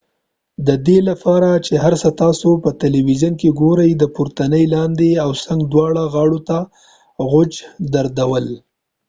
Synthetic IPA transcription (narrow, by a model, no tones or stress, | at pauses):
d̪əd̪elapɑɾat͡ʃeɦaɾsət̪ɑsopət̪eliwiʒankeɡoɾəjd̪əpuɾt̪anəjlɑnd̪eawsaŋɡd̪wɑɽaɣɑɽot̪a | ɣʊd͡ʒd̪aɾd̪awəl